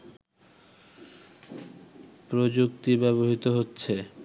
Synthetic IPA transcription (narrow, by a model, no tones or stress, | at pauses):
pɾod͡ʑukt̪ibɛβoɦit̪oɦotːɕʰe